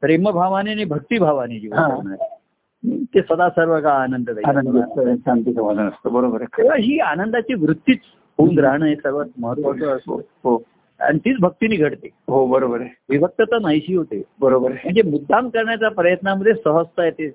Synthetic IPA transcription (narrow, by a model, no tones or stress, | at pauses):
pɾeməbʱaʋanianibʱək̚t̪ibʱaʋanid͡ʑiʋəãnae | mḭt̪esʋəd̪asəɾʋəkaːnənd̪əd̪ajanəd̪ɕant̪isəmad͡zʱanəst̪obəɾobəɾaɦiːanənd̪at͡ɕiʋɾut̪ːiːt͡s | ɦounɡɾaɦɳ̃aɦesəɾʋət̪məɦət̪ʋat̪ʋəo̰ɦo | a̰ñit̪iːt͡sbʱək̚t̪iniːɡʱəɽt̪eɦobəɾobəɾeʋiʋək̚t̪ət̪ənajɕiːɦot̪ebəɾobəɾm̤əɳd͡zemud̪ʱːamkəɾɳjat͡sapɾəjət̪naməd̪ʱːjesəɦəst̪ajet̪e